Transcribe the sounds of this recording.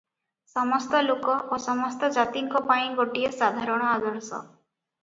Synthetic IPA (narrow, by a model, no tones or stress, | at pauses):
sɔmɔst̪ɔlokɔʔosɔmɔst̪ɔd͡ʒat̪iŋkɔpaĩɡoʈiesad̪ʱaɾɔɽ̃ɔad̪ɔɾsɔ̰